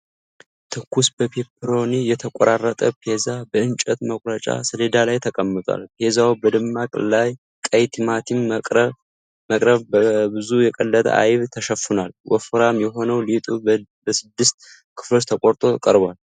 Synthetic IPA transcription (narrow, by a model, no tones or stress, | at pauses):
t̪ʰɨkːusbəpʰepʰɾo̞nijɛt̪ʰəkʼɔɾarːət̪ʼəpʰezabəɨnt͡ʃʼɛt̪məkʼɾət͡ʃʼa̰sɨled̪alajt̪ʰəkʼəmːɨt̪ʼwa̰lpʰezawbəd̪ɨmːakʼlaj | kʼəjt̪ʰimat̪ʰinʼ | məkʼɾəβbəbɨzujɛkʼəlːət̪ʼə̰ʔa̰jβt̪ʰəʃəfːunalwʔɔ̰fɨɾamjɛɦo̞nəwlit̪ʼubəsɨd̪ːɨst̪ | kʰɨ̥flot̪t̪ʰəkʼoɾt̪ʼo̞kʼəɾbal